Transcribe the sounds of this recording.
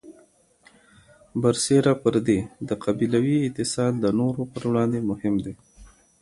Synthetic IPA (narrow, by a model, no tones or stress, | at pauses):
baɾseɾapəɾd̪ed̪əqʰabilawiɪt̪ɪsɑd̪̚d̪ənoɾopəɾwɽɑnd̪emʊhɪmd̪e